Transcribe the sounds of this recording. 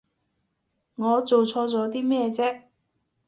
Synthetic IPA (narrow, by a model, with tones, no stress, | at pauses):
ŋɔː˨˧t͡so˨wt͡sʰɔː˧t͡sɔː˨˥t̪̬iː˥mɛː˥˧t͡sɛː˥